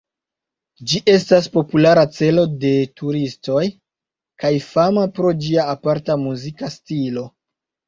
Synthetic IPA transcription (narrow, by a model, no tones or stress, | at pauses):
d͡ʒiʔe̞staspo̞pulaɾat͡se̞lo̞de̞tuɾisto̞j | kajfamapɾo̞d͡ʒiaːpaɾtamuzikastilo̞